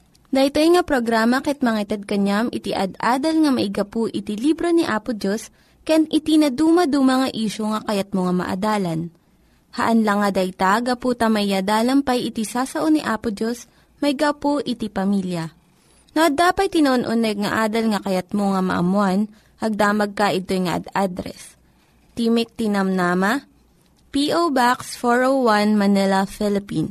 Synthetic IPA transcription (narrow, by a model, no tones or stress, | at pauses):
d̪ɐt̪ojŋɐpɾoɡɾaːmɐkɛt̪̚mɐŋɐɪt̪ɛd̪̚kɐɲamʔɪt̪ɪʔɐ̰d̪ʔaːd̪ɐlŋɐmɐʔɪɡapoʔɪt̪ilibɾoniʔaːpod͡ʒos | kɐjanʔɪt̪inɐd̪uːmɐd̪umɐŋɐʔiːʃoŋɐkɐjɐt̪̚moŋɐmɐ̰ʔɐ̰d̪aːlɐn | hɐ̰ʔɐnlɐŋːɐd̪ɐjt̪aɡɐput̪ɐmɐʔɪad̪aːlɐmpɐjʔɪt̪isaːsɐʔoniʔaːpod͡ʒos | mɐjɡɐpoʔɪt̪ipɐmiljɐ | noʔɐd̪aːpɐt̪̚t̪ːɪnoʔonʔonɛɡ̚ŋɐʔaːd̪ɐlŋɐkɐjɐt̪̚moŋɐmɐ̰ʔɐ̰mʊan | ʔɐɡ̚d̪aːmɐɡ̚kaʔɪt̪ojŋɐʔɐ̰d̪ad̪ɾɛ̰s | t̪imɪk̚t̪ɪnɐmnaːmɐ | piʔowbaksfoɹowwanmɐnɛlɐfɪlɪpin